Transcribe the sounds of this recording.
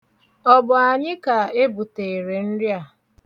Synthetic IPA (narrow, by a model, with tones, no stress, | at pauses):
ɔ˦bʊ˨a˨ɲɪ˦ka˨e˦bu˨te˨e˨ɾe˨n̩˦ɾja˨